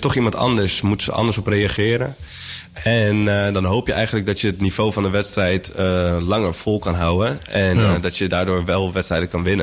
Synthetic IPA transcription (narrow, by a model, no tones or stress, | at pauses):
tɔχimɑntʰɑ̰ndəɹsmutsə̰ʔɑ̰ndəɹsɔprejaχɪːɾə̰ | ɛndɔnɦowpjəʔɛ̰jχəndlək̚dɔtjəətniv̥oːvɑndəʋɛtstrɛjtəlɑŋəɹfɔlˠkɑnɦawənɛndɔtjədaːɹdoːɹʋɛlˠʋɛtstrɛjdəkɑnʋɪnə